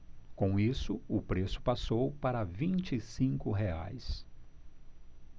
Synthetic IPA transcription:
kõw̃isʊʊpɾesʊ̥pasowpaɾɐvĩnt͡ʃisĩŋkʊɦea̰js

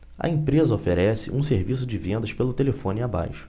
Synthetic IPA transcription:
ɐ̰ẽpɾezɐofeɾɛsɪ̰ʔũseɾvisʊd͡ʒɪvẽnd̪ɐʃpelʊt̪elefõnʲɪaba̰jʃʊ̥

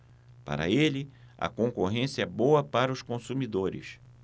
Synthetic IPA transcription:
pa̰ɾɐ̰elɪ | ɐ̰kõkoɦẽsiɐɛbowɐpaɾɐʊskõsumid̪oɾɪ̰s

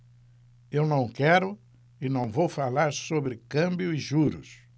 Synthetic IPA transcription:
ewnɐ̃w̃kɛɾʊ | ɪnɐ̃w̃vowfalaɾsobɾɪkɐ̃mbjʊɪʒuɾʊ̰s

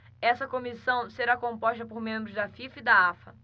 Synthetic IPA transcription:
ɛsɐkomisɐ̃w̃seɾakõmpɔʃt̪ɐpoɾmẽmbɾʊzd̪ɐfifɪd̪ɐafɐ

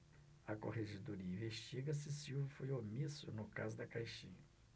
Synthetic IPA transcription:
ɐkoheʒed̪oɾiɐĩveʃt͡ʃiɡɐs̬ɪsiwvɐfojomisʊ̰nʊka̰zʊd̪ɐkajʃĩɐ

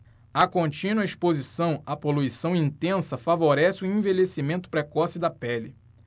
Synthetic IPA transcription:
ɐkõnt͡ʃĩnwɐispozisɐ̃w̃ɐpoluisɐ̃w̃ĩnt̪ẽsɐfavoɾɛsɪʊẽvelesimẽnt̪ʊ̥pɾɛkɔsid̪ɐpɛlɪ

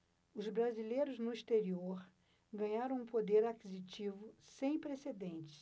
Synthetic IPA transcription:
ʊzbɾazilejɾʊznʊist̪eɾioɾ | ɡɐ̃ɲaɾɐ̃w̃ũpod̪eɾakizit͡ʃivʊsẽj̃pɾesed̪ẽnt͡ʃɪ̥s

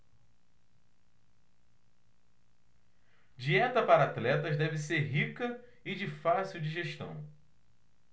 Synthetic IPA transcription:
d͡ʒiɛt̪ɐpaɾɐat̪lɛt̪ɐzd̪ɛvɪseɾɦikɐ | ɪd͡ʒɪfasiwd͡ʒiʒeʃt̪ɐ̰̃w̃

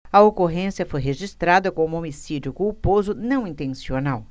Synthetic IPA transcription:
ɐokoɦẽsijɐfojɦeʒist̪ɾad̪ɐkõʊ̃omisid͡ʒʊkuwpozʊnɐ̃w̃ĩt̪ẽsionaw

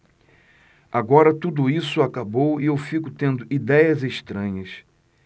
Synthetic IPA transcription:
aɡɔɾɐt̪ud̪ʊisʊakabowiewfikʊt̪ẽnd̪ʊʔid̪ɛjɐzeʃt̪ɾɐ̃ɲɐs

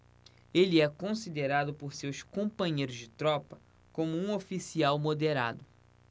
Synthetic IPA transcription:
eliɛkõsid̪eɾad̪ʊpoɾsewskõpɐ̃ɲejɾʊzd͡ʒɪt̪ɾɔpɐ | kõmʊũofisiawmod̪eɾa̰d̪ʊ

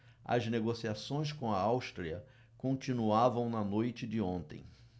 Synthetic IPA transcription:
ɐ̰zneɡosiasõj̃s̬kõɐawʃt̪ɾiɐ | kõnt͡ʃĩnuavɐ̃w̃nɐnojt͡ʃɪd͡ʒɪõnt̪ḛ̃j̃

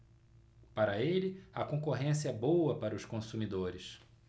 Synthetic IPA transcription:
paɾɐelɪɐkõkoɦẽsiɐɛbowɐpaɾɐʊskõsumid̪oɾɪs

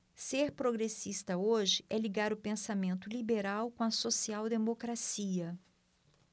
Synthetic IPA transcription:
seɾpɾoɡɾesist̪ɐoʒɪʔɛliɡaɾʊpẽsamẽnt̪ʊlibeɾawkõɐsosiawd̪emokɾasiɐ

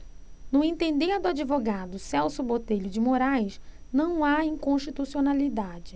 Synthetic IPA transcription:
nʊẽnt̪ẽnd̪eɾd̪ʊad͡ʒivoɡad̪ʊsɛwsʊbot̪eʎʊd͡ʒɪmoɾajʃnɐ̃w̃aĩŋkõʃt͡ʃit̪usionalid̪ad͡ʒɪ

